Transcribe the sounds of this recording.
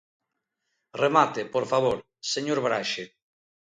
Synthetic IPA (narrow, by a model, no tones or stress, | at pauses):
remat̪epoɾfaβoɾ | seɲoɾβɾaʃe